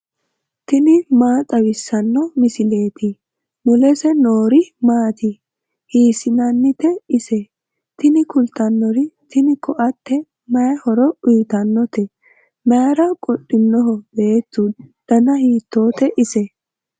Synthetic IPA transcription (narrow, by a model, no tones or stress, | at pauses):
t̪ɪnɪmaːt̪ʼɐwɪsːɐnːɔmɪsɪle̞ːt̪ɪ | mʊlɛsɛnoːɾɪmaːt̪ɪ | hiːsɪnɐnːɪt̪ɛɪsɛ | t̪ɪnɪkʊlt̪ɐnːɔɾɪt̪ɪnɪkʰɔʔɐt̪ːɛ | mɐjɐhɔɾɔʊjt̪ɐnːɔt̪ɛ | mɐjɐɾɐkʼɔɗːɪnːɔɦɔbe̞ːt̪ːud̪̥ɐnɐhiːt̪ːo̞ːt̪ɛʔɪsɛ